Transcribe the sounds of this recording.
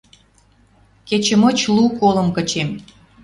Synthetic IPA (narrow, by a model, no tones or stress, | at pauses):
ket͡ɕə̆mə̆t͡ɕlukolə̆mkə̆t͡ɕem